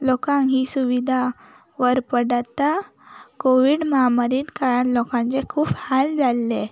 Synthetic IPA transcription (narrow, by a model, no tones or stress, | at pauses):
lɔkãŋɦiːsuʋid̪ʱa | ʋəɾpəɽat̪a | koʋiɽməɦamaɾiːnkaɾanlɔkãnt͡sekʰuːphald͡zalːe